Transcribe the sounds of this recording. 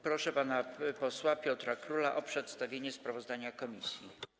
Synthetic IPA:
pɾɔʂɛpanapɔswapʲjɔt̪ɾakɾulaʔɔpʂɛt̪st̪avʲjeɲɛspɾavɔzd̪aɲakɔmʲisʲji

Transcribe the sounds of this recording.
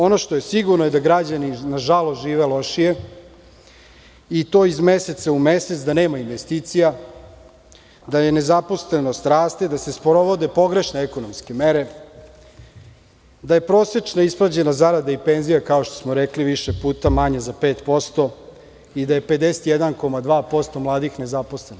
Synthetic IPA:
o̞no̞ʃt̪oje̞siɡuɾnoje̞d̪aɡɾad͡ʑaninaʒalˠost̪ʒiːʋelo̞ʃije | it̪o̞ːizmese̞t̪saumeset̪sd̪aneːmainʋest̪it̪sija | d̪aje̞ne̞zapo̞slenost̪ɾaːst̪ed̪ase̞spoɾoʋod̪e̞po̞ɡɾe̞ʃneɛko̞nomske̞meɾe̞ | d̪aje̞pɾo̞ːse̞t͡ʂnaispɾad͡ʑe̞nazaɾad̪aipenzijakao̞ʃt̪osmoɾekliʋiʃepuːt̪amaɲezapeːt̪po̞st̪o̞ | id̪aje̞pe̞d̪eset̪jed̪anko̞mad̪ʋaːpo̞st̪o̞mlˠaːd̪ixne̞zapo̞sleno

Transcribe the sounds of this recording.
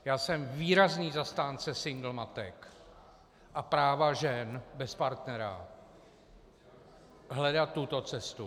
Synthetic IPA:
jaːsɛmviːɾazniːzast̪aːnt͡sɛsɪŋɡl̩mat̪ɛk | ʔapɾaːvaʒɛnbɛspaɾt̪nɛɾa̰ | ɦlɛdat̪ːut̪o̞t͡sɛst̪u

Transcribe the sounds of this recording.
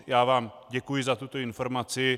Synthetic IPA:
jaːvaːm | ɟɛkujɪzat̪ut̪oɪnfoɾmat͡sɪ

